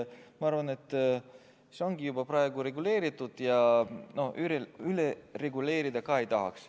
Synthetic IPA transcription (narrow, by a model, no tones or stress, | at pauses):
mɑɑɾvɑne̞t̪ːˑ | seo̞ŋɡ̥ijubɑprɑe̞ɡ̥uɾe̞ɡule̞ːɾit̪ːˑud̪̥jɑno̞ʔyɾeylere̞ɡule̞ːɾid̪ɑkɑe̞jt̪ɑɦɑ̰ks